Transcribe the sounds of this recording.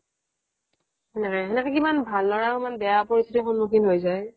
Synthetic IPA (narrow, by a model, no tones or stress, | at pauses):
ɛnɛkɛɛnɛkɛkimanbʱalːɔɹaimanbɛjapoɹistʰitixunmokinɦojzaj